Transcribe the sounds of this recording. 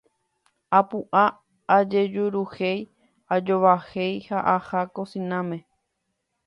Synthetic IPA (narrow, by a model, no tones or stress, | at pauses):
apuʔaː | d͡ʒe̞d͡ʒuɾuhej | ad͡ʒo̞ʋahe̞jhaʔahakosĩnãmẽ